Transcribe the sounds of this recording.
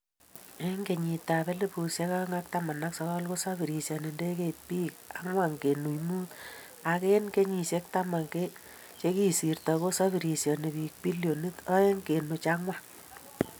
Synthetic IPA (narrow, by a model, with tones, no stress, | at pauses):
e˦ŋɡe˨ɲi˨ta˨pe˦le˦pu˨se˦ka˦ŋa˦k̚ta˦ma˨na˦ksɔ˦ka˦lko˦sa˦bi˨ɾi˨sjɔ˨ne˨nde˦ke˦t̚piː˦ka˦ŋwa˦˨ŋke˨nu˨jmu˦t | a˨ke˦nke˦ɲi˨se˦kta˦ma˨ŋke˦ | t͡ʃe˦ki˦si˨rtɔ˨ko˦sa˦bi˨ɾi˨sjɔ˨ne˨pi˨k̚pi˦ljo˨ni˦tɔ˦e˦ŋke˨nu˨t͡ʃa˦ŋwa˦